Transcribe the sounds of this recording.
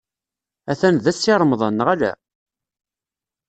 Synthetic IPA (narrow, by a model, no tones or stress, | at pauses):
æθænðæsːiɾˤmðˤɑnːəʁælæ̰